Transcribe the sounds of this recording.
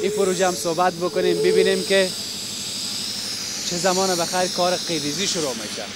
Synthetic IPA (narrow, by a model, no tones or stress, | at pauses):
ipʊɾud͡ʒamsobat̪̚bʊkʊneːmbɪbineːmkɪ | t͡ʃʰɪzamɔːnabaxajɾkɔːɾɪqed̪iziʃʊɾomḛːʃa̰